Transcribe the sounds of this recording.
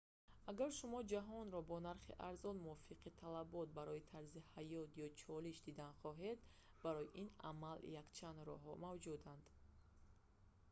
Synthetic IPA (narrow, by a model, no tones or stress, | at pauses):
aɡaɾʃumɔd͡ʒaɦɔnɾɔbɔnaɾχḭʔaɾzɔnmuɔfiqʰit̪ʰalabɔt̪̚baɾɔit̪ʰaɾzihajɔt̪ʰjɔt͡ʃʰɔliʃd̪id̪anχɔɦe̞d̪ | baɾɔjiʔina̰maljakt͡ʃʰand̪ɾɔ̰ɦɔmavd͡ʒud̪and̪̥